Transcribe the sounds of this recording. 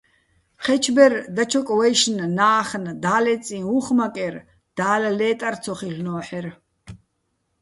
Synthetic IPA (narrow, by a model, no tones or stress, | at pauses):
χɛt͡ʃʰbɛrd̪at͡ʃʰɔkʼwɛjʃnnaːχnd̪aːlɛt͡sʼĩuχmakʼɛr | d̪̥aːlalɛːt̪ʼart͡sʰɔχiɬnɔːħɛr